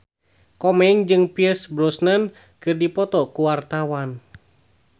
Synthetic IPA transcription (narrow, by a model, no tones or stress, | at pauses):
kɔmɛŋd͡ʒɨŋpirsbɾɔsnən | kɨrdipɔt̪ɔkuwart̪awan